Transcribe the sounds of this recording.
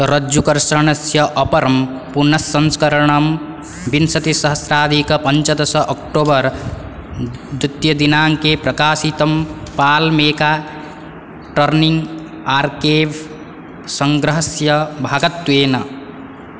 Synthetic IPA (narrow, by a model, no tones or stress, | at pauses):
ɾɐd͡ʒukɐɾsɾɳɐsjɐʔɐpɐɾɐm | punɐsːɐnskɐɾɐɳɐm | binsɐt̪isɐɦɐsɾaːd̪ʱikɐpɐnt͡ʃɐd̪ɐsɐʔɐk̚ʈoːbʌɾ | bɾut̪jɐd̪inaːŋkepɾɐkaːsit̪ɐmpaːlmeːka | ʈɐɾniŋɡ | aɾkeʋ | sɐŋɡɾɐɦɐsjɐbʱaːɡɐt̪ːueːnɐ